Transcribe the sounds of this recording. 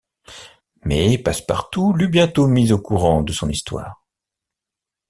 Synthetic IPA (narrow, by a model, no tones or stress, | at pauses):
mɛpaspa̰ʁt̪ulybjɛ̃t̪omizokuʁɑ̃d̪əsɔ̃nist̪wa̰ːʁ